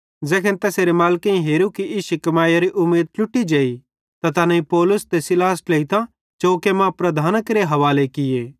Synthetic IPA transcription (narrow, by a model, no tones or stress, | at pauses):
d͡zɛːkʰənt̪ɛːseːɾemaːlkẽĩɦeːɾukiʔiːʃukɐmaːjaɾiʔʊmːeːd̪̚t͡ʃʊʈːid͡ʒeːi | t̪at̪ɐnɐ̃ĩpɔːlʊst̪esɪlaːsleit̪ã | t͡ʃoːkemãpɾɐd̪ʱaːnəkɾeɦɐʋaːlekɪjeː